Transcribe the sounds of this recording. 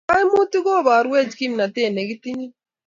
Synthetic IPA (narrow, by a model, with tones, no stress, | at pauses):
a˦jmu˦t̪i˦ɡo˦˨baː˨ɾwe˦˨d͡ʒki˦mna˨t̪eː˦˨ne˨ɡi˦t̪ːi˦ni˦